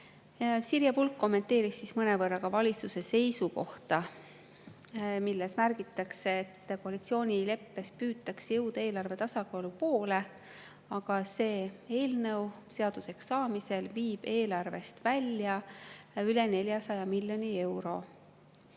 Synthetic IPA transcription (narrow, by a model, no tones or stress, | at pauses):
siɾjɑpulkːo̞mːe̞nt̪ːe̞ːɾisːismɤne̞vɤrːɑɡ̥ɑvɑlʲit̪suse̞se̞jsuko̞ht̪ɑ | milːe̞smærɡ̥it̪ːˑɑkse̞ːt̪ːko̞ɑlit̪sio̞ːnʲile̞pːe̞spyːt̪ːˑɑksjɤwd̪̥ɑe̞ːlɑrve̞t̪ɑsɑkoːlupo̞ːle̞ | ɑɡ̥ɑse̞ːe̞ːlnɤw | se̞ɑd̪̥use̞ksːɑːmise̞lviːb̥e̞ːlɑrve̞st̪vælʲjɑ | yle̞ne̞lʲjɑsɑjɑmilʲjo̞nie̞wɾo̞